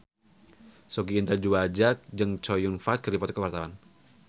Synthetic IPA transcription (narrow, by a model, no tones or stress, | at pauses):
soɡiːnt̪ərd͡ʒuad͡ʒak̚d͡ʒɨŋt͡ʃɔjunfat̪̚kərɾipɔt̪kəwart̪awan